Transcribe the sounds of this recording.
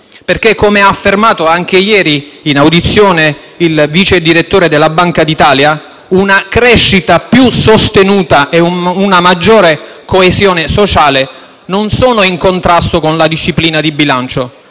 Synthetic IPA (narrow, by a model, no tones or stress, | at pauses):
perk̟ekːomeaːfːermaːt̪oaŋk̟ejɛːɾiːnawd̪it̪sːjoːne | ilvit͡ʃed̪iɾet̪ːoːɾed̪elːabaŋkad̪it̪aːlja | unakɾɛʃːit̪apjusost̪enuːt̪aʔeunamad͡ʒːoːɾekoezjoːnesot͡ʃaːle | nonsoːnoiŋkont̪ɾast̪okonlad̪iʃːipliːnad̪ibilant͡ʃo